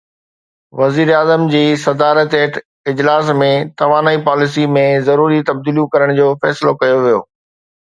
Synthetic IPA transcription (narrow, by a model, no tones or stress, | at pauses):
ʋɐziːɾaːzəmd͡ʑiːsɐd̪aːɾət̪eːʈʰ | ɪd͡ʑlaːsmẽt̪ɐʋaːnaːipaːlɪs̬imẽzɐɾuːɾit̪ɐb̚d̪iːljũkɐɾəɽ̃d͡ʑoːfɛːsɪlokɐjoʋijo̰ː